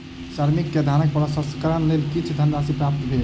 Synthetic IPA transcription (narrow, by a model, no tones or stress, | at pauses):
saɾmikːed̪ʱanək̚pəlasəskəɾənlelkit͡ʃʰd̪ʱənɾasipɾap̚t̪bʱel